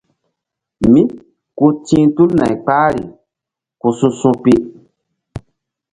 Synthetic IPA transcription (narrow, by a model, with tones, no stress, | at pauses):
mĩ˦ | ku˧tĩː˦tu˦lna̰˨jk͡paː˦ɾi˨ | ku˧sũ˧sũ˧pi˦ʔ